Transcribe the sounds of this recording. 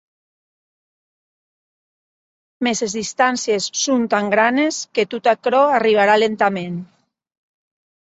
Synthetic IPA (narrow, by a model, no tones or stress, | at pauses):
mesezðist̪ansjesːunt̪aŋɡɾanesket̪ut̪akɾɔariβ̞aɾalent̪amen